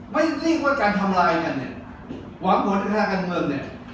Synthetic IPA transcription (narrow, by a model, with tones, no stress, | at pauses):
ma˥˩˧liː˥˩k̚waː˥˩kaː˧nt̪ʰa˧mlaː˧jka˧nː˧˨˩ | waː˨˦˥ŋmu˨˦nʰa˧˥˩aː˥˩ka˧nmɤː˧ŋni˧˩